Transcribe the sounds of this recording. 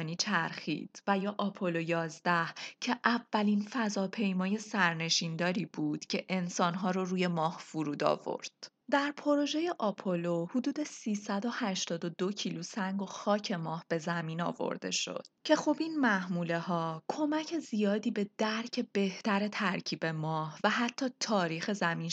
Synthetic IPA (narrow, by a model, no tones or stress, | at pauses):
niːt͡ʃʰæɾxḭːd̪̥væjɒːʔɒpʰolojɒːzd̪æhcʰe̞ʔævːælinfæzɒːpʰe̞jmɒːje̞sæɾne̞ʃind̪ɒːɾiːbuːd̪̥cʰe̞ʔensɒːnɦɒːɾoruːje̞mɒːhfuɾuːd̪ɒ̰ːvo̞̰ɾd̪̥ | d̪æɾpʰo̞ɾo̞ʒe̞je̞ʔɒpʰolohud̪uːd̪e̞siːsæd̪o̞hæʃt̪ɒːd̪o̞d̪o̞cʰiːlusæŋɡo̞xɒːcʰe̞mɒːhb̥e̞zæmiːnɒ̰ːvo̰ɾd̪e̞̰ʃo̞̰d̪̥̚cʰe̞xobinmæhmuːle̞hɒːkʰo̞mæcʰe̞zijɒːd̪iːbe̞d̪̥æɾcʰe̞be̞ht̪æɾe̞t̪ʰæɾcʰiːbe̞mɒːhvæhæt̪ʰːɒːt̪ʰɒːɾiːxe̞zæmiːn